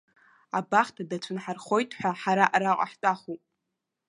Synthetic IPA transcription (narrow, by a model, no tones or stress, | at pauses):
abaχtʰadat͡ʃʷʰɨnħarχo̞jtʰʼħʷᶣaħaɾaʔaɾaqʷʼa̰ħtʼaχupʼ